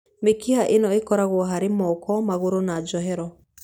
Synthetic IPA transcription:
mekihaʔenɔekɔɾaɣwɔɦaɾemɔkɔmaɣoɾonad͡ʒɔɦɛɾɔ

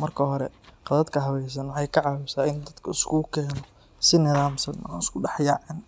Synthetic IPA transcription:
mɐrkʰɐɦɔɾɛ̰qɑðɐd̪kʰɐɦɐwɛjs̬ɐnwħɑjkʰɐʕɑːwʊsaːɪnd̪ɐd̪̥kʰɐɪskʰukʰɛːnɔ | sɪnɪðaːmsɐnɔ̰nɪskʰʊɖɑħjɑːʕɛːn

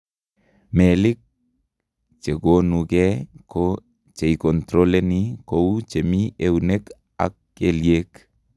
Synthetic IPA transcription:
melik̚ | t͡ʃeɡonukɛko | t͡ʃeikɔnt̪ɾolenikowt͡ʃemiewnek | a̰k̚ːeljek

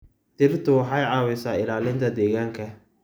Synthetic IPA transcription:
t̪ʰɪrt̪ʰʊwɑħɑjʕɑːwɪsaːɪlaːlɪnt̪ʰɐd̪ɛːɣaːŋkʰɐ

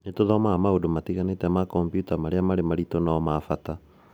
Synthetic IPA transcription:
netoðɔmaːmaodomatiɣanetɛmakɔmpjutamaɾeamaɾemaɾitonaɔmafata

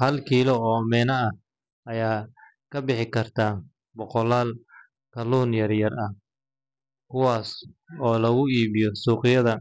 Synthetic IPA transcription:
hɐlkʰiːlɔɔːmɛːnɐɐh | ɐjaː | kʰɐbɪħɪkʰɐrt̪ʰaː | bɔqɔlaːl | kʰɐluːnjɐrjɐrɐh | kʰʊwaːsɔːlɐɣʊiːβɪjɔsuːqɪjɐðɐ

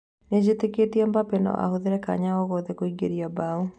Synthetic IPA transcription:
ned͡ʑeteketiɛmbapɛnɔ̰ʔa̰hoðeɾɛka̰ɲaɔɣɔðɛkoiɡeɾiabau

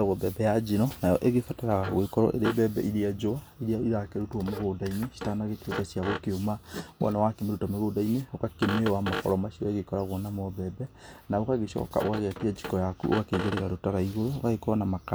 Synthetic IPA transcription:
aɣɔbɛbɛjad͡ʒinɔnajɔʔeɣefatɛɾaɣaɣoekɔɾɔ̰ʔḛɾebɛbɛ̰ʔiɾead͡ʒoa | iɾeaoɾiɾakeɾotuɔmeɣoːdaineʃi̥tanaɣekiɾokasiaɣokeomaʔɔ̰nawakemeɾutameɣodaineokakemewamakɔ̰ɾɔmaʃiɔeɣekɔɾaɣɔnamɔbɛbɛnaokaɣeʃɔ̰ka̰o̰kaɣeatiad͡ʒikɔjakṵo̰ɣakeɡeɾeɣaɾotaɾaiɣoɾoːɣaɣekɔɔnamaka

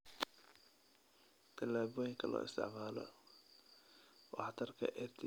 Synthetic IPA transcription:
t̪ʰɐlaːβɔːjɪŋkʰɐlɔ̰ːɪst̪ʰɪ̰ʕmaːlɔ̰ | wɑħɑt̪ʰɐrkʰɐ̰ʔɛrt̪ʰɪ

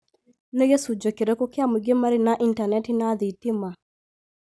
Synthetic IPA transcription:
neɣesud͡ʒokeɾekɔkeameɡemaɾinaʔintanɛtinaðitima

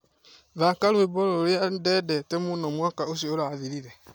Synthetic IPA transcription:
ðaːkalwebɔɾoɾeandɛdɛtemunɔmwakaosioɾaːðiɾiɾɛ

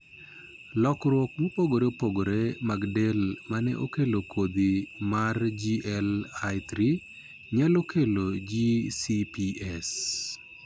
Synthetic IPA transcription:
lɔkɾwɔk̚mopoɡoɾeopoɡoɾemaɡdelmanɛ̰ʔo̰kelokʰod̪imard͡ʒiɛlajt̪ɾi | ɲalokelod͡ʒisipiɛs

